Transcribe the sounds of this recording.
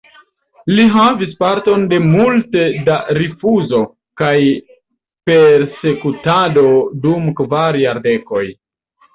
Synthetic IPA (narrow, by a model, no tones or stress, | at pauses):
liɦavispaɾto̞nde̞multedaɾifuzo̞ | kaj | pe̞ɾse̞kutado̞dumkvaɾjaɾde̞ko̞j